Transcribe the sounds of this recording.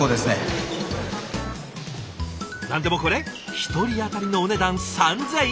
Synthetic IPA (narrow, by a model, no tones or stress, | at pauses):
oːd̪e̞sɨne | nãnd̪e̞mo̞ko̞ɾe̞çi̥t̪o̞ɾʲiat̪aɾʲino̞ːne̞d̪ãñsãnd͡zẽ